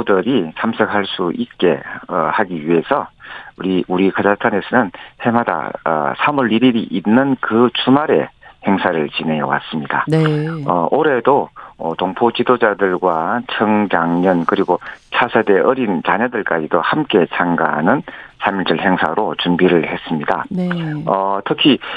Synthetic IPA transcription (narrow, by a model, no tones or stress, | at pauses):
dɯɾisʰamsʰʌk̚haɭs͈uʔit̚k͈e̞haɡiɥie̞sʰʌɾiuɾikʰad͡ʑatʰane̞sʰʌnɯnhe̞mada̰sʰamuɭːiɾiɾiʔinːɯnkɯt͡ɕʰumaɾe̞̰he̞ŋsʰaɾɯɭt͡ɕine̞jʌ̰wa̰s͈ɯmɲida̰ | ʌoɾe̞doʌtoŋpʰot͡ɕidod͡ʑadɯɭɡwat͡ɕʰʌŋɡjaŋɲʌnkɯɾiɡot͡ɕʰasʰede̞ʔʌɾint͡ɕaɲʌdɯɭk͈ad͡ʑidohamk͈e̞t͡ɕʰaŋɡa̰ɦa̰nɯnsʰamiɭt͡ɕɯɭhe̞ŋsʰa̰ɾot͡ɕumbiɾɯɭhe̞s͈ɯmɲida̰ | ʌtʰɯkʰi